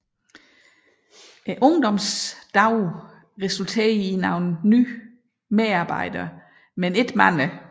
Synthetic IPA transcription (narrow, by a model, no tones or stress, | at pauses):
ʔʔɔ̽ŋd̥ɒ̽msd̥ɑ̈ʊ̰ | ʁɛsult͡sʰe̝̰ːɐinɑ̈ʊn̩ny̰ː | meðɑ̈b̥ɑ̈ɪ̰d̥ɐ | mene̝d̥mæn̰ə